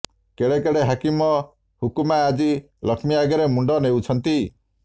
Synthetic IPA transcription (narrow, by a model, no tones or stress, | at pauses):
keɽekeɽeɦakimɔ | hukumaːd͡ʒi | lɔkʰmiaɡɔɾemuɳɖɔnewt͡ʃʰɔnt̪i